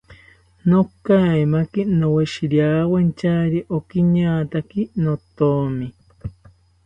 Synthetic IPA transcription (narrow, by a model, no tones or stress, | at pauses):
nokajmakinoweʃiɾjawent͡ʃaɾiʔokiɲaːt̪akinot̪omi